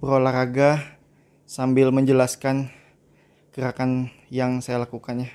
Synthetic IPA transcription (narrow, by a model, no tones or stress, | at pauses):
bəɾolahɾaɡa | sambɪlməɲd͡ʒəlaskan | kəɾakan | jaŋsajalakukanja